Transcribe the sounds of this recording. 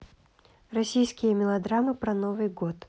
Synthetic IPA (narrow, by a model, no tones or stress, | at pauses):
rɐsʲijskʲɪjəmʲɪlˠɐd̪ɾamɨpɾɐnovɨjɡot̪